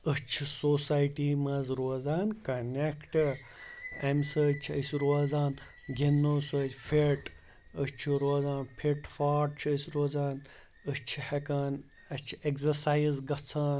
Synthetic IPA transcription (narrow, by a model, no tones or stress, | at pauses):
ət͡ʃʰusoːsaːjʈiːmɐzɾoːzaːnkɐnekʈɨ | ɐmsɨt͡ʃʰəsʲɾoːzaːn | ɡenːosoːtʲfʰeʈ | ət͡ʃʰuɾoːzaːnpʰiʈfaːʈ̚t͡ʃʰəsʲɾoːzaːn | ət͡ʃʰihekaːn | ɐt͡ʃʰekzɐsaːizɡɐt͡sʰaːn